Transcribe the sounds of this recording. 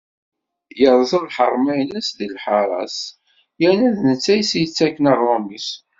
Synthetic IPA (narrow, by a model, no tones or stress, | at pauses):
jəɾˤzˤəðħə̰ɾˤmæjnəsðilħɑɾˤɑ̰s | jænæðnət͡sːæjsjət͡sːækːənəʁomis